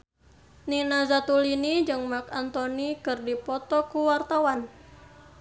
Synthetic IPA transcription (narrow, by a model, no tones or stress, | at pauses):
ninazat̪ulinid͡ʒɨŋmakant̪ɔnikɨrdipɔt̪ɔkuwart̪awan